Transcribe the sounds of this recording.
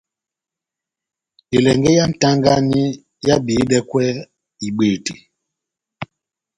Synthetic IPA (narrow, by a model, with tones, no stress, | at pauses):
i˨lɛ˨ŋɡɛ˦ja˦n̩˨ta˦ŋɡa˦ni˦ | ja˦biː˨˦dɛ˦kwɛ˦ | i˨ɓe˨ti˨